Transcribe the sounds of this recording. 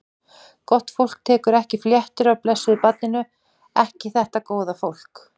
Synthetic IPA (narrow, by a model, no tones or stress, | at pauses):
kɔht̪fowl̥k̚t̪ʰɛːkʏɾɛhcɪfljɛht̪ʏɾawplɛsːʏɪpat̪̚nɪnʏ | ɛhcɪθɛht̪akoːwðafowl̥k